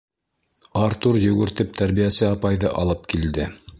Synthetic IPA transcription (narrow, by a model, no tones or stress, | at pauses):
ɑɾt̪uɾjɵ̆ɡɵ̆ɾt̪ɘp̚t̪ʰæɾβijæsɘɑpɑjðɤʔɑlˠɤp̚kild̪ɘ